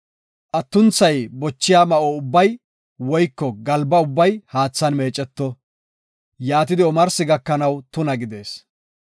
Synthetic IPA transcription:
ʔɐt̪ːʊnt͡sːɐjbɔt͡ʃːɪjaːmɐʔoʊbːɐj | wɔjkːɔɡɐlbɐʊbːɐjhaːt͡sːɐnme̞ːt͡ʃʼːɛt̪ːɔ | jaːt̪ɪd̪ɪɔmɐɾsɪɡɐkːɐnɐwt̪ʊnɐɡɪd̪e̞ːs

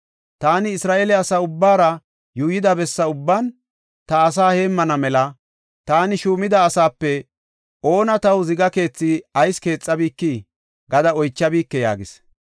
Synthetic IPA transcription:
t̪aːnɪːsɾaːʔelɛɐsaʊbːaːɾɐ | juːjɪd̪ɐbɛsːɐʊbːɐn | t̪ɐːs̬aːhe̞ːmːɐnɐmɛlɐ | t̪aːnɪʃuːmɪd̪ɐːsaːpːɛ | ʔo̞ːnɐt̪ɐwzɪɡɐke̞ːt͡sːiɐjske̞ːt͡sʼːɐbiːkːi | ɡɐd̪ɐɔjt͡ʃːɐbiːkːɛja̰ːɡɪs

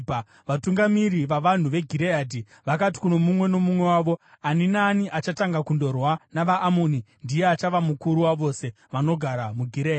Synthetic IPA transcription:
ʋatuŋɡamiɾiʋaʋan̤uʋe̞ɡʱiɾejaːdʱi | ʋakati̥kuno̞mumwe̞no̞mumwe̞waʋo̞ | aninaniʔat͡ʃataŋɡakundo̞rwanaʋaʔːmunindijeat͡ʃaʋamukuɾuwaʋo̞se̞ | ʋano̞ɡʱaɾamuɡʱiɾeːa

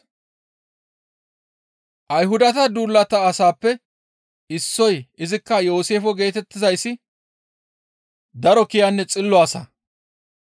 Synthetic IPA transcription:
ʔɐjɦʊd̪ɐt̪ɐd̪uːlːɐt̪ɐːsaːpːɛ | ɪsːɔjɪzɪkːɐjo̞ːse̞ːfɔɡe̞ːt̪ɛt̪ːɪzɐjsːɪ | d̪ɐɾɔkɪjanːɛt͡sʼɪlːɔwaːsɐ̰

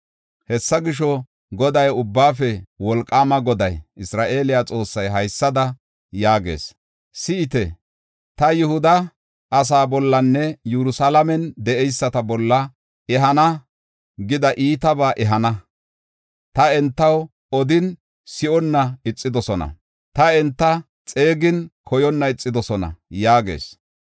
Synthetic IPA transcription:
hɛsːɐɡɪʃɔ | ɡɔd̪ɐjʊbːaːfɛwɔlkʼːaːmɐɡɔd̪ɐjʔɪsɾaːʔe̞ːlɪjat͡sʼo̞ːsːɐjɦɐjsːɐd̪ɐ | jaːɡḛːs | sɪɪt̪ɛ | t̪ɐjʊhʊd̪ɐ | ʔːs̬aːbɔlːɐnːɛjɛɾʊsalɐmɛnd̪ɛɛjsːɐt̪ɐbɔlːɐ | ʔɛɦɐnɐ | ɡɪd̪ɐʔiːt̪ɐbaːʔɛɦɐnɐ | t̪ɐɛnt̪ːɐw | ɔd̪ɪn | sɪɔnːɐɪt͡sʼːɪd̪ɔsɔnɐ̰ | t̪ɐɛnt̪ːɐ | t͡sʼe̞ːɡɪnkʰɔjɔnːɐɪt͡sʼːɪd̪ɔsɔnɐ̰jaːɡḛːs

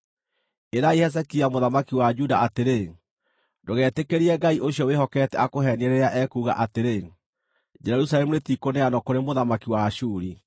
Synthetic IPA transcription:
eɾaihɛs̬ɛkiamoðamakiwad͡ʒudaʔateɾe | ndoɣɛːtekeɾiɛɡaiʔoɕjɔwehɔkɛtɛakoɦɛnieɾeɾeaʔɛkuːɣa̰ʔateɾe | d͡ʒɛɛɾusalɛmuɾetikoneanɔkoɾemoðamakiwaʃuɾi

